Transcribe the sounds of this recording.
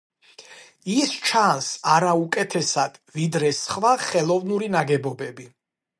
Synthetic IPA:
ist͡ʃʰansaɾaukʼɛt̪ʰɛsad̪̥vid̪ɾɛsχvaχɛlˠɔvnuɾinaɡɛbɔbɛbi

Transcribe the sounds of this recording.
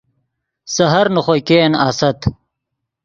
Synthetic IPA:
sɐɦɐɾnuχojkeːnaːsɐt̪

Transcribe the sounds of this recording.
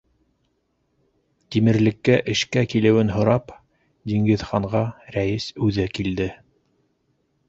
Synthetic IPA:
t̪imɘ̆ɾlɘ̆kːæʔɘ̆ʃkækilɘ̆wɘnɦŏɾɑp | d̪iŋɡɘ̆ðχɑɴʁɑɾæjɘsʉðɘkild̪ɘ

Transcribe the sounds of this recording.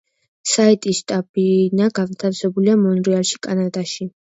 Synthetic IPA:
sait̪ʼisʃt̪ʼabinaɡavt̪ʰafsɛbuliamɔnɾialʃi̥kʼanad̪aʃi

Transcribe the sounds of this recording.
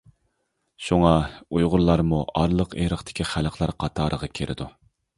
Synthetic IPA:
ʃuŋɑujʁʊɾlˠɑɾmuʔɑɾlˠəqḛɾəχt̪ʰɪ̥kʲʰiχælˠqlˠɑɾqʰɑt̪ʰɑːɾʔəʁɑkʲʰeɾʔɪ̰d̪u

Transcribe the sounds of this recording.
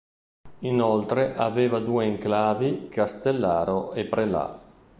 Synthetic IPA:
inolt̪ɾeʔaveːvad̪uːeiŋklaːvikast̪elːaːɾoepɾela̰

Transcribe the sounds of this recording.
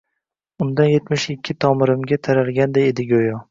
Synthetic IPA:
ʊnd̪anje̞t̪mɪʃɪkʲʰːɪt̪ʰɒmɪɾɪmɡʲat̪ʰaɾalɡʲand̪ajed̪ɪɡʲojɒ

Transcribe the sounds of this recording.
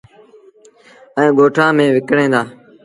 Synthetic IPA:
ɛ̃ːɠoːʈʰãːmẽːʋɪkɽẽːd̪aː

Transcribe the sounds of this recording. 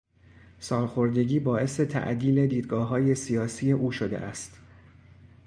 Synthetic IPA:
sɒːlxo̞ɾd̪e̞ɟiːbɒːʔe̞se̞t̪ʰæ̰ʔd̪iːle̞d̪iːd̪̚ɡɒːɦɒːje̞sijɒːsiːje̞ʔuːʃod̪e̞̰ʔæst̪

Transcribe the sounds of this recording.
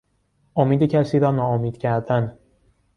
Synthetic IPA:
ʔomiːd̪ecʰæsiːɾɒːnɒːomiːd̪̥cʰæɾd̪æn

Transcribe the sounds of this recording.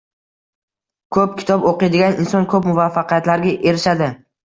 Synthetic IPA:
kʰɵp̚kʲʰɪ̥t̪ʰɒboqɨjd̪ɪɡʲanɪnsɒnkʰɵpmʊvafːɑqijat̪laɾɡʲaʔe̞ɾɪʃad̪ɪ

